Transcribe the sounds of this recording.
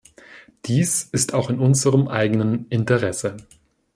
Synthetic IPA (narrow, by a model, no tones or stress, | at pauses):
d̥iːsɪstaʊxɪnʊnzəʁəmʔaɪɡənənɪntəʁɛsə